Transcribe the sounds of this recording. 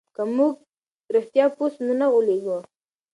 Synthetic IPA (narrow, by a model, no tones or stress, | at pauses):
kamuɡ | ɾɪxt̪jɑpusnunaɣoleɡu